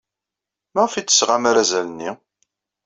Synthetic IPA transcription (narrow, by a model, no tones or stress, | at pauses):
maʁfit͡sːə̥sʁamaɾæzælənːi